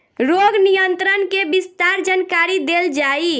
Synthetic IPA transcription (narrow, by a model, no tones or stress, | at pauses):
ɾoɡnijənt̪ɾənkebist̪aɾd͡ʒankaɾid̪eld͡ʒai